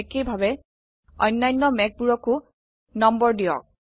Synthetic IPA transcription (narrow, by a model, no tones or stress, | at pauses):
ekejbʱabɛ | ɔ̰jnːajnːɔmɛk̚buɹɔkʊ | nɔmbɔɹdijɔ̰k̚